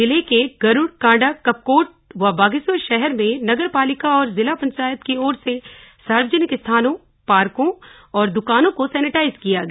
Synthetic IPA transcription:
ɪlekeɡɐɾʊɽkãːɳɖakɐp̚koːʈ̚ | ʋabaːɡɪswəʃɛɦɛɾmẽnɐɡəɾpaːlɪkaɔːɾzɪlapɐ̃ɲt͡ʃaːjət̪kiɔːɾsesaːɾʋəd͡ʒənɪkɪst̪ʰaːnõ | paːɾkõ | ɔːɾd̪ʊkaːnõkosɛːnɪʈaːɪzkijaɡɐ

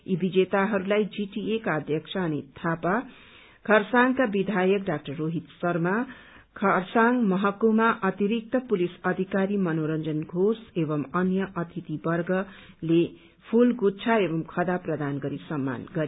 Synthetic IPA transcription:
ibid͡zet̪aɦʌɾulajd͡ziʈiekaʌd̪ʱjʌkt͡sʰʌʌnit̪ʰapa | kʰʌrsaŋkabid̪ʱajʌk̚ɖak̚ʈʌrːoɦit̪sʌrma | kʰʌrsaŋmʌɦʌkomaʔʌt̪iɾik̚t̪ʌpulisʌd̪ʱikaɾimʌnoɾʌnd͡zʌnɡʱosebʌmʌnjʌʔʌt̪ʰit̪ibʌrɡʌ | le | pʰulɡutt͡sʰaebʌmkʰʌd̪aprʌd̪anɡʌɾisʌmːa̰nɡʌɾi

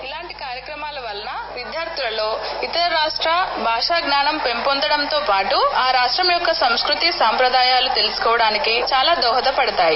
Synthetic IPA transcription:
ilaːɳʈikaːɾjɐkɾɐmaːlɐʋɐlɐnɐʋid̪jaːɾt̪ulɐlo̞ːit̪ɐɾɐɾaːʂʈɾaːbʱaːʂaːɡnaːnɐmpe̞mpond̪ɐɽɐmt̪o̞ːpaːʈuaːɾaːʂʈɾɐmjɔkːɐsɐmskɾut̪isaːmpɾɐd̪aːjaːlut̪e̞lusu̥kɔːʋɐɽaːnikit͡ʃaːlaːd̪ɔːɦɐd̪ɐpɐɽɐt̪aːji

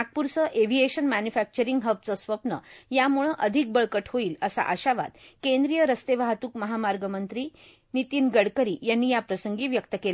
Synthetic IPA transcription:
ak̚puɾt͡səʔeʋ̤ieɕənmænjufæk̚t͡ɕəɾiŋɡɦəbt͡səsʋəpnəjamuɭə̃ʔəd̪ʱik̚bəɭkəʈʰhoiːləsa̰ʔaɕaʋa̰t̪kẽnd̪ɾijəɾəst̪eʋaɦat̪uːkməɦamaɾɡəmənt̪ɾiː | nit̪iːnɡəɽkəɾiːjanːiːjapɾəsəŋɡiːʋjək̚t̪əkela

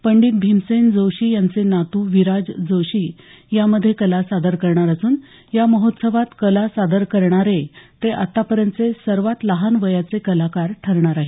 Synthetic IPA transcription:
pəɳɖiːt̪̚bʱimsend͡zowɕiːjant͡senat̪uːʋiɾad͡zd͡zoɕiː | jaməd̪ʱjekəlasad̪əɾkəɾɳaɾəsuːn | jaməɦot̪səʋat̪kəlasad̪əɾkəɾɳaɾet̪eʔa̰t̪ːapəɾjənt̪t͡sesəɾʋat̪ləɦanʋəjat͡sekəlakaɾʈʰəɾɳaɾaɦi

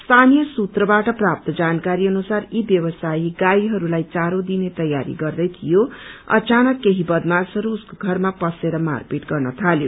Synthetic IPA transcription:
st̪ʰanijʌsut̪rʌbaʈʌprap̚t̪ʌd͡zankaɾiʌnusaribjʌwʌsaiɡaiɦʌɾulajt͡saɾod̪inet̪ʌjaɾḭɡʌrd̪ʌjt̪ʰijoʌ̰t͡sanʌkːeɦibʌd̪masʌɾuːskoɡʱʌrmapʌseɾʌma̰rpiʈɡʌrnʌt̪ʰaljo

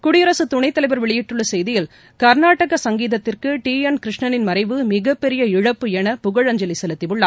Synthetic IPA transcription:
kʊɽɪjɐɾɐsɯt̪ʊɳɐɪt̪ːɐlɐɪʋɐɾʋɛɭɪjɪʈːɯɭːɐsɛjðɪjɪl | kɐɾnaːʈːɐɣɐsɐŋɡiːðɐt̪ːɪrkɯʈiːɛnkɾɪʂɳɐnɪnmɐɾɐɪʋɯmɪɣɐpːɛɾɪjɐɪɻɐpːɯɛnɐpʊɣɐɻɐɲd͡ʒɐlɪsɛlɯt̪ːɪʋɯɭːaː

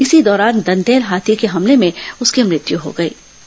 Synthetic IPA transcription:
ɪsid̪ɔːɾaːnd̪ɐ̃nd̪eːlɦaːt̪ʰikeɦɐmlemẽʊskemɾɪt̪juɦo̰ɡɐḛː

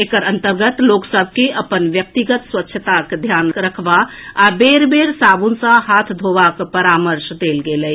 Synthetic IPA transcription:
ekəɾə̃nt̪əɾɡət̪loːksəbʱkeʔəpənʋjək̚t̪iɡət̪swətːʃʰət̪akd̪ʱjaːnɾəkʰʋa | abeːɾbeːɾsaːbũnsãɦaːt̪ʰd̪ʱoːʋakpəɾaːməɾʃd̪eːlɡeːlə

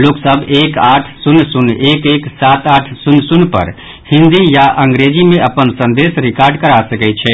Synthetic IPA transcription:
loksəbʱekaʈʰsunːsunekeksat̪aʈʰsunːsunpə̰ɾ | hĩnd̪ijaʔəŋɡɾed͡ʒimẽəpənsə̃nd̪esɾikaɾɖkəɾasəkɛt͡ʃʰɛ

